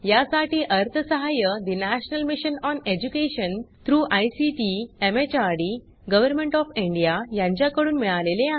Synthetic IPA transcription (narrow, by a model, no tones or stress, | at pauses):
jasaʈiːʔəɾt̪ʰəsəɦajəd̪inæɕnəlmiɕənɔned͡ʑukeɕənt̪ʰɾuːʔajsiʈiemet͡ɕaɾɽi | ɡəʋəɾmẽɳʈɔfiɳɖijajãɲt͡ɕjakəɽuːnmiɭalelea